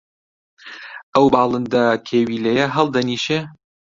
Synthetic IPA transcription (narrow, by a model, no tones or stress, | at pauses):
ʔɐwbɑːlˠɨnd̪ɐkʲʰeːwiːlɐjɛɦɐlˠd̪ɐniːʃe